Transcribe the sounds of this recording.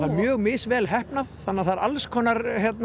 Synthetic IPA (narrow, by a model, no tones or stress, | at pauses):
aɾmjœːɣmɪːsvɛːlɦɛhpnaðθanːaθaɾalskʰɔːnaɾçjɛt̪n